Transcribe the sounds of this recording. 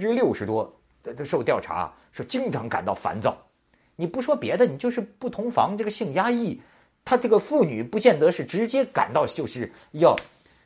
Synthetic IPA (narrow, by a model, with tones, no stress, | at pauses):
ʈ͡ʂɻ̩˥ljo˥˩ʊʂɻ̩˧˥t̪wɔ˥˧ | ʂo˥˧ʊt̪jɑ˥˩ʊʈ͡ʂʰa̰˧˥ | ʂwɔ˥t͡ɕi˥ŋʈ͡ʂʰɑ˧˥ŋka˨˩nt̪ɑ˥˩ʊfa̰˧˥nt͡sɑ̰˨˩˦ʊ | ni˨˩pu˧˥ʂwɔ˥pjɛ˧˥d̪ə˧ni˨˩t͡ɕjʊʂɻ̩˥˧pu˥˩t̪ʰʊ˧˥ŋfɑ̰˧˥ŋʈ͡ʂɤ˥˩ɡə˩ɕi˥˩ŋja˥i˥˩ | t̪ʰa˥ʈ͡ʂɤ˥˩ɡə˩fu˥˩ny˨˩pu˧˥t͡ɕjɛ˥˩nt̪ɤ˧˥ʂɻ̩˥˩ʈ͡ʂɻ̩˧˥t͡ɕjɛ˥ka̰˨˩nt̪ɑ˥˧ʊt͡ɕjo˥˧ʊʂɻ̩˥˧ | jɑ˥˩ʊ